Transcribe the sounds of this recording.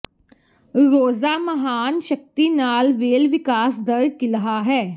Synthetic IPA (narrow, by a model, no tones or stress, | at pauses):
ɾoːzaːməɦaːnʃək̚t̪iːnaːlʋeːlʋɪkaːsd̪əɾkɪləɦaːɦɛː